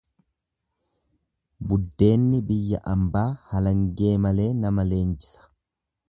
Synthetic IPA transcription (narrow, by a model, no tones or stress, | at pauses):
bʊd̪ːe̞ːnːɪbɪjːɐʔɐmbaːhɐlɐŋɡe̞ːmɐle̞ːnɐmɐle̞ːnd͡ʒɪ̥sɐ̥